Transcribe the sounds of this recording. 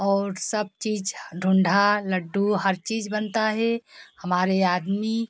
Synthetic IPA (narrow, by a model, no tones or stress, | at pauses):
ɔːɾsəb̚t͡ʃiːd͡ʒɖʱʊ̃ɳɖʱaləɖːuɦəɾt͡ʃiːd͡ʒbənt̪aɦɛhɐmaːɾeaːd̪mi